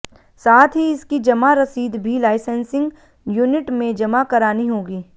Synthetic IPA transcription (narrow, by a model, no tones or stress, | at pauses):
saːt̪ʰɦiɪskid͡ʒɐmaɾɐsiːd̪bʱilaːɪsə̃nsɪ̃ŋɡ | junɪʈmẽd͡ʒɐmakɐɾaːniɦoːɡiː